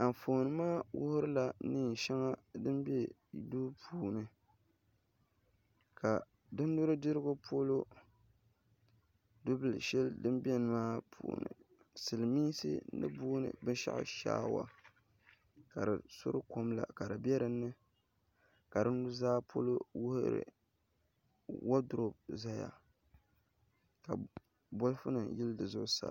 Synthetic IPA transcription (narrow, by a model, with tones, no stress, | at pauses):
a˨m˨fo˨nɨ˨maː˦wʊ̰˦hʊ˦ɾɨ˦la˨nɨː˦˨ʃɛ˦ŋa˦dɨ˦mbe˦˨ | du˦pʰuː˨nɨ˨ | ka˨ | dɨ˦n˦dʊ˦ɾɨ˦dɨ˦ɾɨ˦ɡʊ˦pʰo˦lo˦ | dʊ˦bɨ˦˨lɨ̰˨ʃɛ˦ldɨ˦mbi˦ɛ˦nɨ˨maː˦pʰṵː˨nɨ̰˨ | sɨ˨lɨ˨miː˦sɨ̰˦nɨ̰˦buː˦nɨ̰˨bɨ˦nʃa̰˦ʔɪ̰˦ʃa̰ː˦wa̰˨ | ka˨ɾɨ̰˨so̰˦ɾɨ˦ko˦mla̰˨ka˨dɨ˨bjɛ˦ɾɨ˨nːɨ˦ | ka˨ɾɨ˦ndʊ˦zaː˦pʰo̰˦lo˦wʊ˦hɨ˦ɾɨ̰˨ | wa˦dʊ˨ɾo˦b̚za˦ja̰˨ | ka̰˨ | bo˦lfɨ˦nɨ˨jɪ˦ldɨ˨zʊ˦ʔʊ˦sa̰˨